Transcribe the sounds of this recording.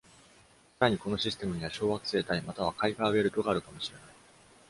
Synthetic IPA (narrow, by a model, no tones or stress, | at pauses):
saɾaɲ̟iko̞no̞ɕisɨ̥t̪e̞mɯ̟ɲ̟iβaɕo̞ːβakɯ̟̥seet̪aimat̪aβ̞akaiɡaːβe̞ɾɯ̟t̪o̞ɡaːɾɯ̟kamo̞ɕiɾe̞nai